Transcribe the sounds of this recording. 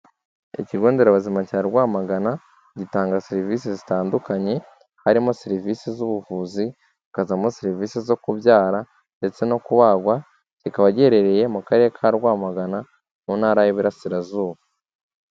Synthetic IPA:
ḭciɡo̞ːnde̞ɾaβazimacaːeɾɡwaːmaɡana | ɟitaːŋɡaseɾivis̬izitaːndukaɲe̞ | haɾimo̞seɾivisizuβuvuːzi | ikazamoseɾiviːsizo̞kubjaːɾa | nde̞t͡se̞no̞kuβaɡwa | cikaβaɟeɾe̞ɾe̞je̞mukaɾe̞ɾekʰaɾɡwaːmaɡana | muːnhaːɾajiβiɾasiɾazuːβa

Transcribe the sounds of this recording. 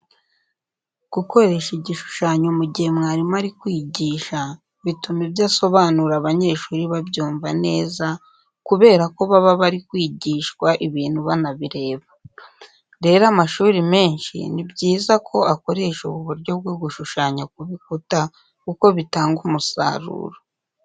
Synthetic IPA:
ɡ̥uko̞ɾe̞ʃiɟiʃu̥ʃaːɲomuɟihemŋaːɾimaɾikwiːɟiːʃa | βitumibjaːso̞βaːnuɾaβaɲe̞ːʃuːɾiβabɟuːɱvane̞ːza | kuβe̞ːɾako̞βaβaβaɾikwiːɟiːʃkwaʔiβiːn̥huβanaβiɾe̞ːβa | ɾe̞ːɾamaʃuːɾime̞ːnʃḭnibɟiːzakʰo̞ako̞ɾe̞ʃoβuβuɾɟo̞b̚ɡwoɡuʃuʃaːɲak̚uβikuta | kuko̞βitaːŋɡumusa̰ːɾṵːɾo

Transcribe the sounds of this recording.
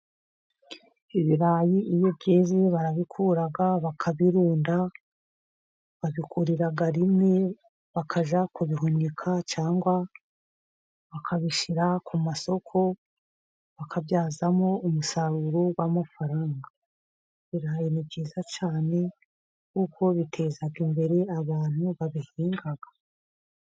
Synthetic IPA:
iβiɾaːjiijobɟiːziβaɾaβikʰuːɾaɡaβakʰaβiɾuːnda | βaβikʰuɾiɾaɡaɾime | βakʰaʒakuβiɦonekʰat͡ʃaːŋɡwa | βakʰaβiʃiɾakʰumaso̞kʰo̞ | βakʰaβjaːzamo̞umusaɾuɾowamafaɾaːŋɡa | βiɾaajenibɟiːzat͡ʃaːne̞ | kuko̞βitʰe̞ːzaɡimbe̞ɾe̞aβaːn̥huβaβihiːŋɡaɡḁ

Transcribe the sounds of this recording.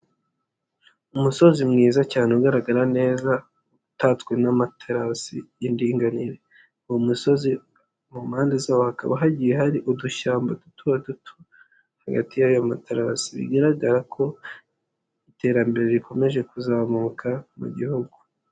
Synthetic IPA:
umuso̞zimŋiːzacaːneuɡaɾaɡaɾane̞ːza | utatkwenamatʰaɾasiːndiːŋɡaniɾe̞ | uwumuso̞zi | mumhaːndezawohaka̰βaɦaɟijeɦaɾiʔuduʃaːmbadutʰuβadutʰu̥ | haɡa̰tijajomateɾasiβḭɡaɾaɡaɾakʰo̞ | ite̞ɾambe̞ɾe̞βikʰo̞me̞ʒe̞kuzaːmuːkʰamṵɟihuɡu

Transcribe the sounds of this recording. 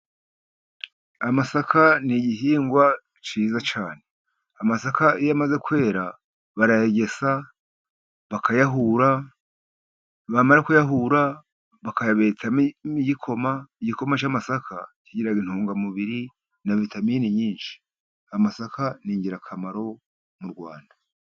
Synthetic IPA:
amasakʰaniɟiɦiːŋɡwa | t͡ʃiːzat͡ʃaːne̞̥ | amasakaijamaze̞kwe̞ːɾa | βaɾajeɟe̞sa | βakʰajaɦuɾa | βamaɾakujaɦuɾa | βakajaβe̞t͡saiɟikʰo̞maiɟiko̞mat͡ʃamasakʰa̰ciɟiɾaɡin̥huːŋɡamuβiɾi | naβitʰamiːniɲiːnʃi̥ | amasakʰaniːɲɟiɾakʰamaɾo̞ | muɾɡwa̰ːnda

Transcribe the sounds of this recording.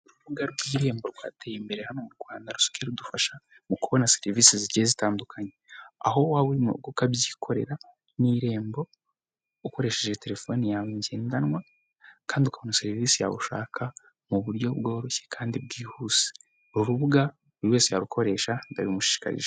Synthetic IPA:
uɾuβuɡaɾɡwiːɾe̞ːmbo̞ɾɡwa̰ːte̞jimbe̞ɾehano̞muɾɡwaːndaɾuso̥kieɾudufaʃa | mukuβo̞naseɾiviːsiziɟezitaːndukʰaɲea̰ɦo̞waβuɾimṵɡokabjiːkʰo̞ɾe̞̰ɾa | niːɾe̞ːmbo̞ | uko̞ɾe̞ːʃe̞ʒe̞te̞ɾe̞fo̞nijaβiɲɟeːndanwa | kaːndiukaβonaseɾiviːsija̰βṵʃa̰ːkʰa | muβuɾɟo̞bɡo̞ːɾoçe̥kʰaːndiɾɡiːhuse̥ | uɾuβuɡa | uɾiwe̞ːse̞jaɾukʰo̞ɾe̞ːʃandaɾiumuʃi̥i̥ka̰ɾḭʒe

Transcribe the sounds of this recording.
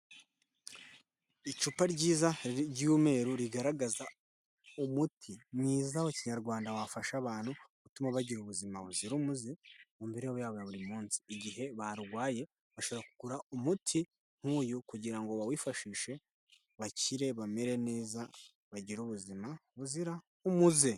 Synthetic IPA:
it͡ʃupaɾɟiːzaɟuːme̞ːɾuɾiɡaɾaɡaza | umutʰinɲiːzawociɲaɾɡwaːndawafaʃaβaːn̥huβutumaβaɟiɾuβuzimaβuziɾumuziumbeɾeβojaːβojaβuɾimuːnsi̥ːɟiɦe̞βaɾuɡwaːje̞ | βaʃo̞βoɾaku̥kuɾaumutʰi | n̥huːjukuɟiɾaŋɡoβawiːfaʃiːʃe̞ | βaciɾe̞βame̞ɾe̞ne̞ːza | βaɟiɾuβuzimaβuziɾa | umuze

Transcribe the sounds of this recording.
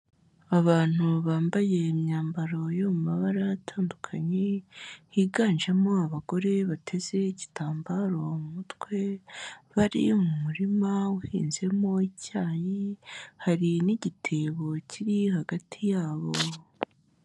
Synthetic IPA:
aβaːn̥uβaːmbaje̞ːmɲaːmbaɾo̞jomumaβaɾatʰaːndukʰaɲehiːɡaːnʒemo̞aβaɡo̞ɾe̞βatʰe̞ze̞iɟitʰaːmbaɾo̞mumutwe̞βaɾḭumumuɾimawuhḭːnze̞mo̞icaːjihaɾiniɟitʰe̞ːβo̞ciɾihaɡatʰijaːβo̞

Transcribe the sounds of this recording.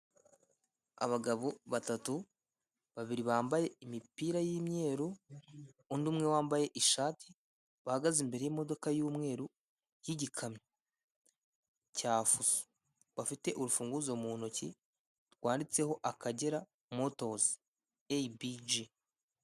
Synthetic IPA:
a̰βaɡaβoβatatu | βaβiɾiβaːmbaje̞imipiːɾajiːmɲe̞ːɾuː | ndumŋe̞waːmbaje̞ʔiʃaːtʰi | βahaɡazimbe̞ɾe̞jimo̞do̞kajuːmŋe̞ːɾu | jiɟikʰamɲe | caːfuzo̥ | βafite̞ʔuɾufuːŋɡuzo̞muːnoci | ɾɡwaːndit͡se̞ho̞ʔakaɟe̞ɾa | mo̞to̞zi | ebid͡ʒi

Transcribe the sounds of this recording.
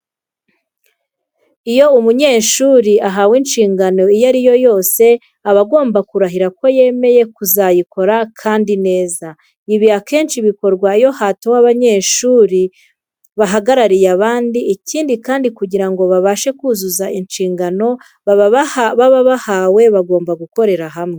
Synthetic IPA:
ijo̞umuɲeːʃuːɾiaɦawinʃiːŋɡano̞ijaɾijo̞jo̞ːse̞ | aβaɡo̞ːmbakuɾaɦiɾako̞je̞me̞je̞kuzajiko̞ɾakʰaːndine̞ːza | iβiake̞ːnʃiβiko̞ɾɡwaijo̞hatowaβaɲe̞ːʃuːɾi | βaɦaɡaɾaɾijaβaːndiːciːndikaːndikuɟiɾaŋɡo̞βaβaʃe̞kuːzuzaʔinʃiːŋɡano̞ | βaβaβahawe̞βaɡo̞ːmbaɡuko̞ɾe̞ɾaɦamŋe̞

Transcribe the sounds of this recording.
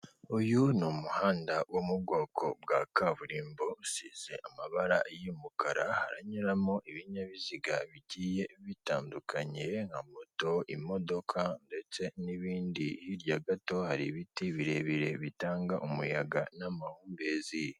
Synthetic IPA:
ujunumuhaːndawomubɡo̞ːkʰo̞bɡakaβuɾiːmbosiːz̥e̞ʔamaβaɾajimukaɾaha̰ɾaɲiɾamoʔiβiɲaβiziɡa̰βiɟiːje̞βitaːndukʰaɲe̞ŋ̥hamoto̞imo̞do̞kʰande̞t͡se̞niβiːndihiɾjaɡato̞haɾḭβitiβiɾe̞βiɾe̞βitaːŋɡaʔumujaɡanamahuːmbezij

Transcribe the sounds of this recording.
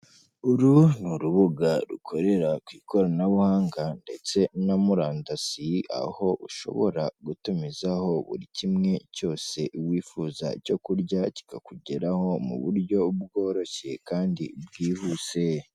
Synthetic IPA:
uɾunuɾuβuɡaɾṵkʰo̞ɾe̞ɾakwiːko̞ɾanaβuhaːŋɡande̞t͡se̞namuɾaːndasia̰ho̞ʔuʃo̞̰βo̞̰ɾaɡutumizaho̞βṵɾicimŋe̞co̞ːse̞uwiːfuːza̰co̞kuɾɟaci̥kakuɟeɾaho̞mṵβuɾɟo̞b̚ɡo̞ːɾo̞çe̞kaːndḭbɡiːhuːse̞

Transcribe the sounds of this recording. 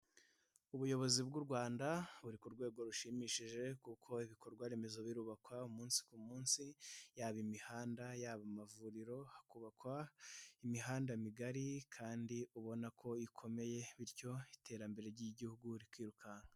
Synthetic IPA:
uβujo̞βo̞zibɡuɾɡwaːndaβuɾikuɾɡwe̞ːɡo̞ɾuʃimiːʃiʒe̞kukʰo̞iβiko̞ɾɡwaɾe̞me̞zo̞βiɾuβakwaumuːnsi̥kumuːnsijaːβimihaːndajaːβamavuɾiɾo̞akuβakwaimiɦaːndamiɡaɾikʰaːndiuβo̞nakʰo̞ikʰo̞me̞je̞βiɾco̞itʰe̞ːɾambe̞ɾe̞ɾɟiɟihuɡuɾikwiːɾukaŋa

